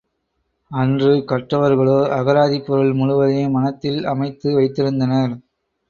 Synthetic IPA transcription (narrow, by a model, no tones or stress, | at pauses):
ɐndrɯkɐʈrɐʋɐɾɣɐɭoːʔɐɣɐɾaːðipːɔɾɯɭmʊɻʊʋɐðeːmɐnɐt̪ːɪlɐmɐɪt̪ːɯʋɐɪt̪ːɪɾɯnd̪ɐnɐɾ